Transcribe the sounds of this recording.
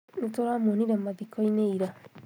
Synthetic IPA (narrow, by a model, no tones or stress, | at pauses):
netoɾamoniɾɛmaðikɔineiɾa